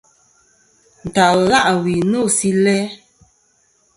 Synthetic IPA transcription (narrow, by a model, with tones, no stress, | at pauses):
n̩˨ta˨lla˦˨ʔwi˨no˦˨si˦lɛ˦